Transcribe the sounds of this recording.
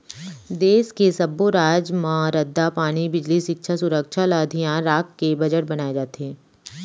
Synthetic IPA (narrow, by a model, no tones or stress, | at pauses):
d̪eːskesɐboɾaːd͡ʒmãɾɐd̪ːapaːɽ̃ibɪd͡ʒliʃɪkʃʰasʊɾəkʃʰalaːd̪ʱijãɾaːkːebɐd͡ʒəʈbɐnaːed͡ʒaːt̪ɦeː